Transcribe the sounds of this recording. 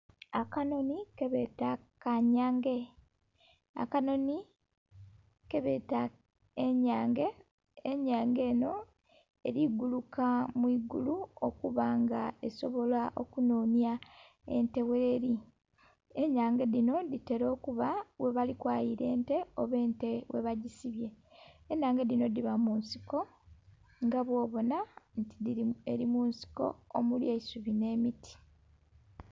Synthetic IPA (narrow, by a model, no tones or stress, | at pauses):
akano̞nikeβe̞takaɲaːŋɡe̞ | a̰kano̞ni | keβeta | eɲaːŋɡeː | ɲaːŋɡe̞ːno̞ | eɾiɡulukamwiːɡuluo̰kuβaŋɡae̞so̞βo̞laʔo̞̰kunoːnja | e̞̰nte̞weɾi | eɲaːŋɡeðino̞ðite̞ɾo̞ːkuβawe̞βalikwaːjiɾe̞ːnte̞oβe̞ːntewe̞̰βaɟisiβje̞ː | ɲaːŋɡeðinodiβamunsi̥ko̞ | ŋɡaβwo̞ːβo̞nantiie̞ɾimuːnsi̥ko̞̰omuljeisuβine̞ːmitʰi̥